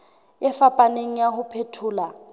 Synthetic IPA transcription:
ɪfapʼaneŋ̩jahʊpʰetʰʊːla

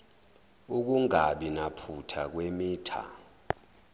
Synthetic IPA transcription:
uk̬uŋaɓinapʰutʰak̬wemiːtʰa̰

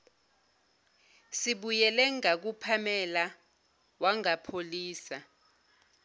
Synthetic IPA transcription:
siɓujɛlɛŋak̬upʰamɛla | waŋapʰoliːsa

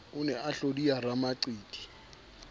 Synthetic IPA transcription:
ʊnɛʔaɬodiaramaǀiːtʼi̥

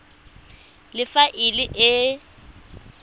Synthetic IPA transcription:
lɪfaʔɪlɪʔɪ

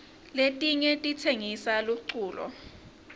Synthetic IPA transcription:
letʼiɲɛtʼitʰeŋisaluǀuːlɔ̰

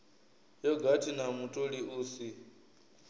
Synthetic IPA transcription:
jɔɡatʰinamutʼoɺiuːsi

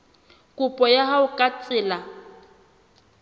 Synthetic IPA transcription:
kʼʊpʼɔjaɦaʊkʼat͡sʼɪːla

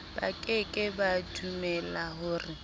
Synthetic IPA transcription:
b̥a̰kʼɪkʼɪbadʰumɛlaɦʊːrɪ

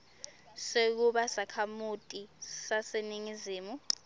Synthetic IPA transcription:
sek̬uɓasakʰamutʼisaseniŋiziːmu

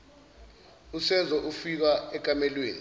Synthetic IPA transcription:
usɛzɔʔufik̬aɛk̬ʼamɛlweːni

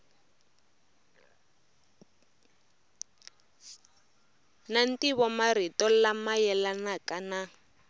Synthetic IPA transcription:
nan̩tiβɔmaritɔlamajɛlanakana

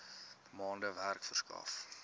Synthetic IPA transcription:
əmɑːndəværkfərskɑ̰f

